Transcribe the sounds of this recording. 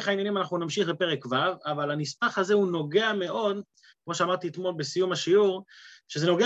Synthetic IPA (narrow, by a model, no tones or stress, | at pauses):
eχainjanimanaχnunamʃiχbepe̞ʁekvavavalanismaχazeuno̞ɡe̞ame̞ʔo̞d̪ | kmo̞ʃeamaʁt̪iet̪mo̞lbe̞sijumaʃiuʁʃeze̞no̞ɡe